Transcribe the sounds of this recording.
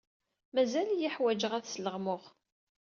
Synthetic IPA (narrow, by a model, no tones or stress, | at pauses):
mæzæljiħwæd͡ʒəʁæθsləʁmʊʁ